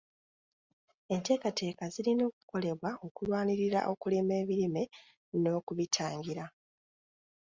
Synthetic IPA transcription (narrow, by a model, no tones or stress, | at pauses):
e̞nte̞ːkatʰe̞ːkazilino̞ːku̥ko̞le̞βwao̞kulwaːniɾiɾa̰ʔo̞kuleme̞ːβiɾime̞ | no̞ːkuβitʰaːŋɡiɾa